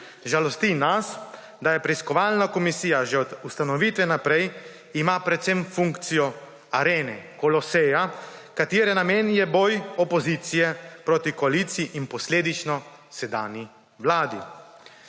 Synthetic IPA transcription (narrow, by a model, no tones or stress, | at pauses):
ʒalɔst̪inas | d̪ajɛpɾɛiskɔʋaːlnakɔmisiːjaʒɛɔd̪ust̪anɔʋiːt̪ʋɛnapɾɛj | imapɾɛt̪semfuŋkt̪sijɔ | aɾeːnɛkɔlɔsɛjakat̪iːɾɛnameːnjɛbɔjɔpɔziːt̪sijɛpɾoːt̪ikɔaliːt̪sijiʔinpɔsleːd̪it͡ʃnɔ | sɛd̪aːnji | ʋlaːd̪i